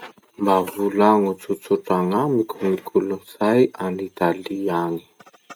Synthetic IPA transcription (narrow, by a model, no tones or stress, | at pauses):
mbavulaŋut͡sut͡suʈ͡ʂaŋamikuŋikʰulunisajanit̪aliaɲi̥